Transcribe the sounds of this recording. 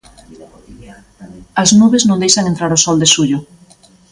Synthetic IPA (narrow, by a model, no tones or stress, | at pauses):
ɐznuβeznõnd̪ejʃaŋẽnt̪ɾaɾʊsɔld̪esuʎʊ